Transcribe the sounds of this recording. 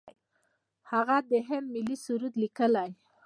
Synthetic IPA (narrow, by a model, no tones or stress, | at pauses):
haɣad̪əɦemːɪlisuɾud̪likəlaj